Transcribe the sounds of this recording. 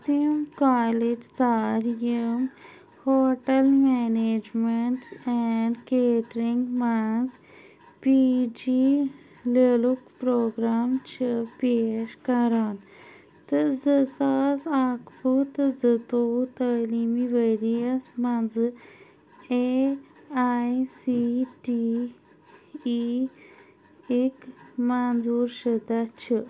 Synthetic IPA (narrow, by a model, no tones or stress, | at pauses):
t̪imkaːled͡ʒsaːɾjəm | hoːʈəlmɛneːd͡ʒmeɳʈɛɳɖkeːʈɾĩŋɡmɐnz | pid͡ʒi | lelukpɾoːɡɾaːmt͡ʃʰəpeːʃkɐɾan | t̪ɨzəsasakfut̪ɨzət̪out̪əlimiʋəɾijasmãnzɨ | e | ajsiʈi | i | ekmanzuɾʃəd̪at͡ʃʰɨ